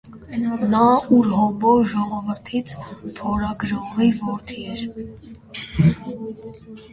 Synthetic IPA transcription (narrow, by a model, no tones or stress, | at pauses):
nɑuɾɦɔbɔʒɔʁɔvəɾt̪ʰit͡sʰpʰɔɾɑɡɾɔʁivɔɾt̪ʰiɛɾ